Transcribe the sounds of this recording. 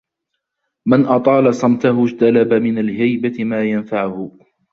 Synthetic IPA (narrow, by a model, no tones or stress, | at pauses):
manʔɑt̪ˤɑːlɑsˤɑmt̪ahʊd͡ʒt̪alabamɪnalɦajbaɪmaːjanfaʕʊhʊ